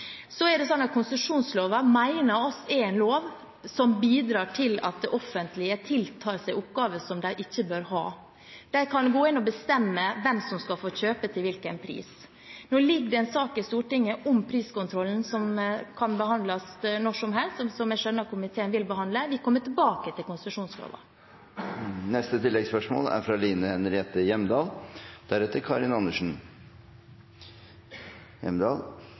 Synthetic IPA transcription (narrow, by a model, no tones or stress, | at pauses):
sɔɛɖɛsɔnːɑt̪̚kʰʊnsəʂuːnsloːʋɑmæɪnəɾɔsɛɛnloːʋ | sɔmbiːd̪ɾɑːʈʰɪlɑ̰t̪̚d̪ɛʔɔfːənt̪lɪət̪ʰɪlt̪ʰɑːɾsæɪʔʊpɡɑːʋəsɔmd̪æɪʔɪçːəbøːɾhɑ̰ː | d̪̥æɪkʰɑnɡoːɪnːɔbəst̪ɛmːəʋɛmsɔmskɑlfoːɕøːpət̪ʰɪlʋɪlkənpʰɾḭːs | noːlɪɡːd̪ɛɛnsɑːkɪst̪uːʈɪŋːəʔɔmpʰɾiːskʊnt̪ʰɾɔlːn̩sɔmkʰɑnbəhɑnd̪lɑsnɔʂɔmɦɛlst̪sɔmæʂœnːəkʰʊmɪt̪ʰeːənʋɪlbəhɑnd̪ləʋɪkʰɔmːət̪ɪbɑːkət̪ʰɪlkʊnst̪ɾʉʂuːnskʰɾo̰ːʋɑ̰ | nɛst̪ət̪ʰɪlːɛɡspœʂmo̰ːlæ̰ɾfɾɑliːnəhɛnɾɛːt̪əjɛmd̪ɑːld̪̥æɾɛt̪ːəɾkʰɑɾɪnɑnːəʂn̩ | jɛmd̪ɑːl